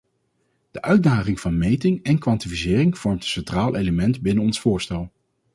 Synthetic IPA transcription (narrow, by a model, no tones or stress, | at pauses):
d̥əʔœɥt̚daːχɪŋv̥ɑnmejtɪŋɛnkʋɑntifisɪːrɪŋv̥ɔɹmtəsɛntraːlˠʔejləmɛntbɪnənɔnsfʊːɹstɛlˠ